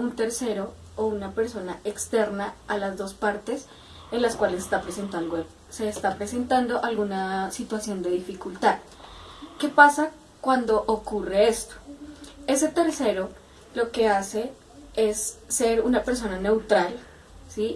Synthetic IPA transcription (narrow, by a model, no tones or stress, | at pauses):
unt̪e̞ɾse̞ɾo | ounape̞ɾso̞naʔe̞kst̪e̞ɾnaalazðo̞spaɾt̪e̞s | e̞nlaskwalesest̪apɾesent̪awe | se̞ːst̪apɾese̞nt̪and̪o̞ʔalɣunasit̪wasjo̞nd̪e̞ðifikult̪að | ke̞pasa | kwand̪o̞ʔokure̞e̞st̪o̥e̞se̞t̪e̞ɾse̞ɾo̞ | lo̞ke̞ase̞ | e̞sːe̞ɾunape̞ɾs̬o̞nane̞wt̪ɾal | si